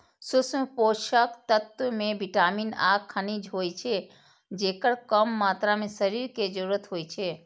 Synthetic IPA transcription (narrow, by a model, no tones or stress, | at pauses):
sʊsmpoʃəkt̪ət̪wəmebiʈaminaɡkʰːənid͡ʒʱɦojt͡ʃʰe | d͡ʒekəɾkəmːaːt̪ɾamesəɾiɾked͡ʒəɾuɾət̪ɦojt͡ʃʰe